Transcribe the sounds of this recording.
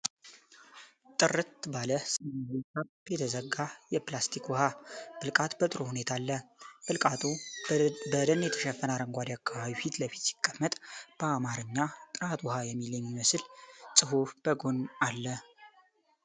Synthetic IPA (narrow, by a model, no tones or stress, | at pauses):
t̪ʼɨrɨt̪baləsɨnasa | jɛt̪ʰəzəɡːajɛplast̪ʰikwɔhab̥ɨlkʼat̪bət̪ʼɨɾo̞hune̞t̪ʰalːəbɨkʼat̪ʰu | bəd̪ənjɛt̪ʰəʃɛfːənaɾəŋɡʷad̪akʰːaβaβifit̪ləfi̥t̪si̥kʼːəmːət̪ʼb̥əamaɾɨɲːat̪ʼɨɾat̪ʼwɔhajɛmːiljɛmːiməsɨlsʼɨɦufb̥əɡo̞nalːə